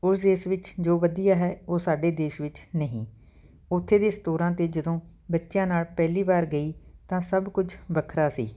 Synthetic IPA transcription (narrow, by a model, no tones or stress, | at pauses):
ʊsd̪eːʃʋɪt͡ʃd͡ʒoːʋəd̪ijaːɦɛːoːsaːɖeːd̪eːʃʋɪt͡ʃnəɦḭ̃ː | ʊt̪ʰːeːd̪eːst̪oːɾãːt̪eːd͡ʒəd̪õː | bətːʃjãːnaːlpɛːliːbaːɾɡəiːt̪ãːsəbkʊd͡ʒʰbəkʰɾaːsḭː